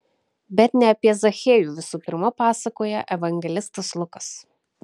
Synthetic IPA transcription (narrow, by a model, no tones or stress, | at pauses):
bʲɛt̪nʲɛɐpʲiɛzɐxʲeːjuːʋʲɪsuːpʲɪɾmɐpɑːsɐkoːjɛʔɛʋɐŋʲɡʲɛlʲɪst̪ɐslˠʊkɐs